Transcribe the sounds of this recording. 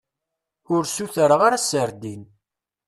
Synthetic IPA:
ʊɾsuθəɾəʁaɾasəɾd̪in

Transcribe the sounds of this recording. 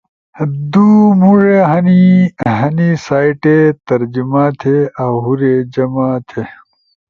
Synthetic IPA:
d̪umuɻeɦɐniɦɐnisaːiʈet̪ɐɾd͡ʑimaːt̪ʰeawɦuɾed͡ʑɐmat̪ʰe

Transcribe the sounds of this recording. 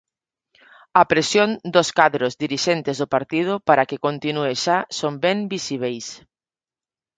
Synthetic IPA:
ɐpɾesjond̪oskaðɾozðiɾiʃent̪ezðopaɾt̪ið̞ʊpaɾakɪkont̪inueʃasombɛmbisiβ̞ejs

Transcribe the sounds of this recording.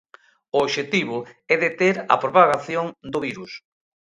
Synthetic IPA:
ʊːβʃet̪iβ̞ʊɛðet̪eɾɐ̰pɾopaɣaθjoŋd̪ʊβiɾus

